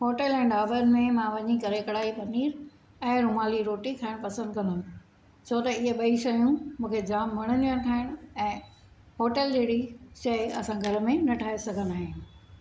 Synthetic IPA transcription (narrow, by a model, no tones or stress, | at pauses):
ɦoːʈəlɛ̃ːɖaːbənɪ̆mẽmãʋɐɲikɐɾekɐɽaːipɐniːɾ | ɛ̃ːɾʊmaːliɾoːʈikʰaːɪ̃ɽ̃pɐsə̃nd̪̚kɐ̃nd̪ə | t͡ɕʰot̪ɐɪɦeɓɐiʃɐjũmũːkʰed͡ʑaːmːɐɽ̃ənijãt̪ʰaːɦɪɽ̃ɛ̃ː | ɦoːʈəld͡ʑeːɽiʃɐɪɐsãɡʱɐɾmẽnɐʈʰaːesɐɡʱənaːɦɪ